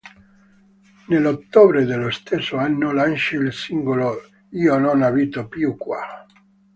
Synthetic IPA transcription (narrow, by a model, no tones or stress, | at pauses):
nelot̪ːoːbɾed̪elːost̪esːoanːolant͡ʃeilsiŋɡolo | iːononaviːt̪opjukːwa̰